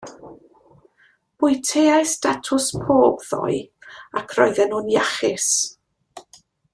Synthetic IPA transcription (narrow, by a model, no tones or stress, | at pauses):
b̥ʊjtʰejajstatʰʊspʰoːbðɔ̰ɨakʰrɔɨðɛnhʊnjaχɪs